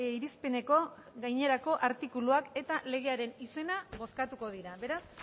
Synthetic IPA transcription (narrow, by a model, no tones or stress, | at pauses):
iɾispe̞ne̞ko̞ɣajɲe̞ɾako̞ʔaɾt̪ikuluake̞t̪ale̞ɣ̞e̞aɾe̞nise̞naβo̞skat̪uko̞ð̞iɾaβe̞ɾas